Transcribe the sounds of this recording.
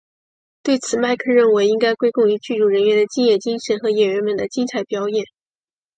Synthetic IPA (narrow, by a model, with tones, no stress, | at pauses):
t̪we˥˩ɪt͡sʰɹ̩˨˩ma˥˧ɪkʰə˥˧ɻə˥˩nwe˧˥ɪi˥ŋka˥ɪkwe˥ɪkʊ˥˩ŋy˧˥t͡ɕy˥˩ɻu˨˩ɻə˧˥nɥɛ˧˥nd̪ə˧t͡ɕi˥˧njɛ˥˩t͡ɕi˥ŋʂə˧˥nxɤ˧˥jɛ˨˩ɥə˧˥nmə˨˩nd̪ə˦t͡ɕi˥ŋt͡sʰa˥˩ɪpjɑ˥ʊjɛ˥˩˦n